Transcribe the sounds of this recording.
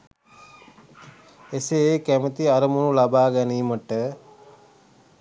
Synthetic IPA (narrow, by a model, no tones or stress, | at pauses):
eseekæmət̪iaɾəmunulabaːɡɛniːməʈə